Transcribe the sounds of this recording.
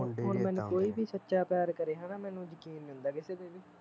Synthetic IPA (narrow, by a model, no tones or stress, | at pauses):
oːnmɛ̃ːnkoːiːbiːsətːʃaːpjaːɾkəɾeːɦaːnaːmɛːnũːd͡ʒəkiːnːɦʊ̃nd̪aːkɪseːd̪eːʋiː